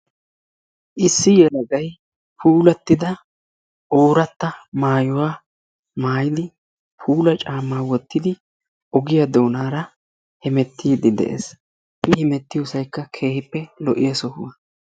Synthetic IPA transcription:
ʔɪsːɪjɛlɐɡɐj | pʰuːlɐt̪ːɪd̪ɐ | ʔoːɾɐt̪ːɐmaːjʊwaː | maːjɪd̪ɪ | pʰuːlɐt͡ʃʼaːmːaːwɔt̪ːɪd̪ɪ | ʔɔɡɪjɐd̪o̞ːnaːɾɐ | hɪmɛt̪ːiːd̪ɪd̪ɛ̰ʔḛːs | ʔɪhɪmɛt̪ːɪjɔsɐjkːɐkʰe̞ːhɪpːɛlɔʔɪjɐsɔhʊ̰wɐ

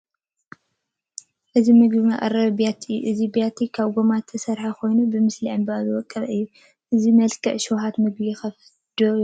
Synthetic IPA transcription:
ʔɨzimɨɡbɨmaʔʼɐ̰ɾɐβbjat̪ʰɨʔɨzibjat̪ʰikʰaβɡomat̪ʰːɐsɐɾħakʰo̞jnubɨmɨsliʕɨmbazɨwɔkʼːɐβʔɨjːu | ʔɨzimɐlkʰɐʔʃowɦat̪mɨɡbixɐf | d̪̥o

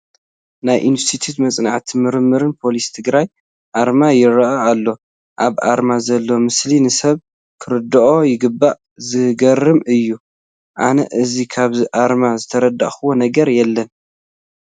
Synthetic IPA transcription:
najʔinst̪ʰit̪ʰjut̪mɐt͡sʼnaʕt̪ʰimɨɾɨmːɨɾɨnpʰo̞list̪ʰɨɡɾaj | ʔaɾmajɪɾɐʔaalːo̞ | ʔaβʔa̰ɾmazɐlːo̞mɨslinɨsɐβ | kʰɨɾɨd̪ːɨʔo̞jɪɡɨbːaʔ | zɨɡɐrɨmɨjːu | ʔanɐ̰ʔɨzikʰaβziʔaɾmazɨt̪ʰɐɾɐd̪ːa̰ʔxɨwonɐɡɐɾjɛlːɐn

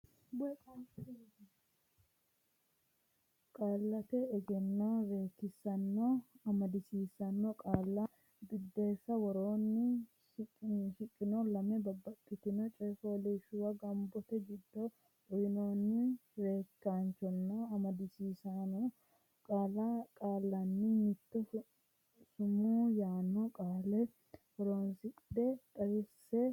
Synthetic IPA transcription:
bɔjkʼɐnt͡ʃɐ | kʼaːlːɐt̪ɛɛd͡ʒɛnːobe̞ːkːɪsɐnːɔɐmɐd̪ɪsiːsɐnːɔkʼaːlːɐ | bɪd̪ːeːsːɐwɔɾoːnːɪ | ʃɪkʼːɪnɔlɐmɛbɐbɐkʼːɪt̪ɪnɔt͡ʃʼɛjfoːleʃʊwɐɡɐmbɔt̪ɛd͡ʒɪd̪ːɔ | ʊjɪnoːnːɪɾe̞ːkːaːnt͡ʃɔnːɔɐmɐd̪ɪsiːsanɔ | kʼaːlɐkʼaːlːɐnːɪmɪt̪ːɔ | sʊmuːjaːnːɔkʼaːlɛ | wɔɾoːnsɪkʼɪd̪ɛt̪ʼɐwɪsːɛ

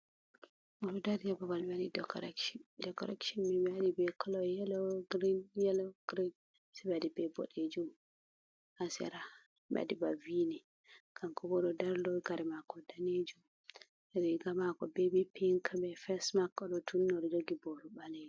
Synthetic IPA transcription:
bɔɗɔdaɾd͡ʒɛbɔbalbɛadidɛkɔ̰ɾɛ̰kʃindɛkɔ̰ɾɛkʃɔnmibɛadibɛkɔlɔjɛlɔɡɾinjɛlɔɡ̥ɾin | sɛbɛadibɛbɔ̰ɗed͡ʒum | asɛ̰ɾa | bɛ̰a̰dibavinɛ | ɡkamkɔbɔɗɔdaɾlɔɡaɾɛmakɔdaned͡ʒum | ɾɛɡamakɔbɛbipiŋkʰabɛfɛsmakːɔɗɔtʰunːɾɔd͡ʒoɡibɔɾɔbaled͡ʒ

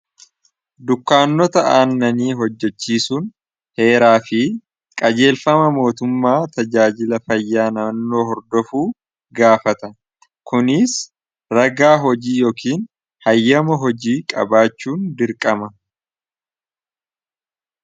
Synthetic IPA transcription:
d̪ʊkːaːnːɔt̪ɐʔaːnːɐniːɦɔd͡ʒːɛt͡ʃːiːsuːn | he̞ːɾaːfɪ | kʼɐd͡ʒe̞ːlfɐmɐmo̞ːt̪ʊmːaːt̪ɐd͡ʒaːd͡ʒɪlɐfɐjːaːnɐnːo̞ːhɔɾd̪ɔfuː | ɡaːfɐt̪ɐ | kʊnɪs | ɾɐɡaːɦɔd͡ʒiːjo̞ːkiːn | hɐjːɐmɐɦɔd͡ʒiːkʼɐ̰baːt͡ʃːuːnd̪ɪɾkʼɐmɐ

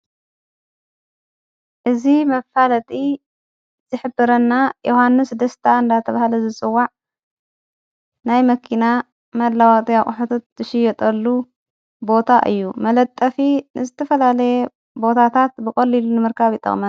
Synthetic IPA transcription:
ʔɨzimɐfalɐt̪ʼi | zɨħɨbɨɾɐnːajʔohanːɨsd̪ɐst̪ʰaɨnd̪at̪ʰɐβahlɐzɨt͡sʼɨwːaʕ | najmɐkʰina | mɐd̪lawat̪ʼiaχʼʊħut̪ʰot̪̚ːzɨʃɪjːɛt̪ʼɐlːu | bo̞t̪ʰaʔɨ̰jːumɐlɐt̪ʼːɐfinɨzɨt̪ʰɐfɐlalɐje | bo̞t̪ʰat̪ʰat̪̚bɨkʼɐlːilunɨmɨɾkʰaβit̪ʼːɐ̰χʼmɐ

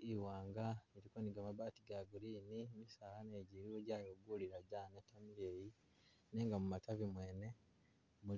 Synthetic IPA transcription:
iwaːŋɡaniɾikoniɡamaβaːtiɡaːɡuɾiːnimisaːlaneːɟiɾiɾoɟaːjoɡuːliɾaɟaːnetːamiɾeːji | ne̞ːŋɡamumatavimwe̞ːne̞ | mu

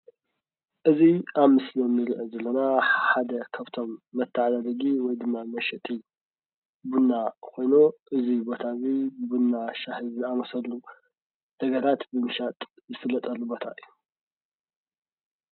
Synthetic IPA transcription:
ʔɨziaβmɨsliomːɨɾiʔɐzɐlːonaħad̪ɐkʰaβt̪ʰo̞mːɐt̪ʰːaʕad̪ad̪ɐɡiwɔjd̪ɨmːamɐʃɛt̪ʼi | bunːakʰo̞jnoʔɨzibo̞t̪ʰaβibunːaʃahɨzɨamɐsɐlu | d̪̥ɐɡɐɾat̪bɨmɨʃat̪ʼ | zɨfɨlːɐt̪ʼɐlːubo̞t̪ʰa̰ʔɨjːu

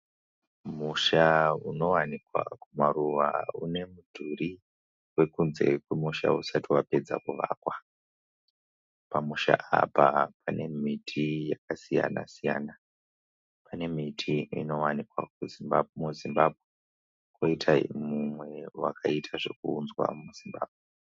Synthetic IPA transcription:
muʃauno̞wanikwa̰kumaɾuʋa̰ṵne̞mudʱuri | we̞kunze̞̰kwemuʃa̰usatiwape̞d͡zakuʋaːkwa | pamuʃa̰ʔapapane̞mitʰijakasija̰na̰sijaːna | pane̞mitʰiino̞wanikwak̚uzimuzimbabʱwe | koitʰaimumwe̞wakʰaitʰaʐe̞kuːnzwa̰muzimba̰ːbʱwe

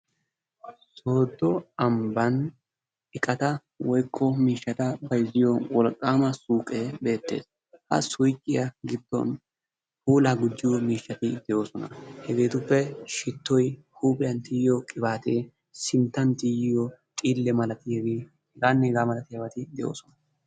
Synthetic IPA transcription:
so̞ːd̪ɔɐmbɐn | ɪkʼɐt̪ɐ | wɔjkʰːɔmiːʃːɐt̪ɐbɐjzɪjɔwɔlkʼːaːmɐsuːkʼeːbe̞ːt̪ːe̞̰ːs | hɐ̰sʊjkʼːɪjɐɡɪd̪ːɔ̰n | huːlaːɡʊd͡ʒːɪjɔmiːʃːɐt̪ɪd̪ɛjo̞ːsɔnɐhɛɡe̞ːt̪ʊpːɛʃɪt̪ːɔj | huːpʼɪjɐnt̪iːjjɔkʼɪbaːt̪eː | sɪnt̪ːɐnt̪ijɪjɔt̪ʼiːlːɛmɐlɐt̪ɪɛɡɪ | ɡaːnːɛɡaːmɐlɐt̪ɪjɐbɐt̪ɪd̪ɛʔo̞̰ːsɔnɐ

